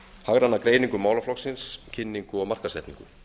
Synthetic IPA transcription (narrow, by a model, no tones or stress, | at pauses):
haɣɾanːakɾeːjniŋkʏmaːwlaflɔksɪnscʰɪnːiŋkʏɔɣmar̥kaɾ̥sɛht̪nḭŋkʏ̰